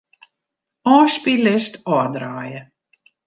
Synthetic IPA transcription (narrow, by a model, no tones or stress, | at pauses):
ɔːspilɪstɔədraːjə